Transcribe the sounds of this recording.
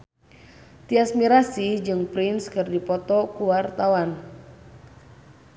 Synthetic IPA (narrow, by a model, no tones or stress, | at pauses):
t̪iasmiɾasid͡ʒɨŋpɾinskɨrdipɔt̪ɔkuwart̪awan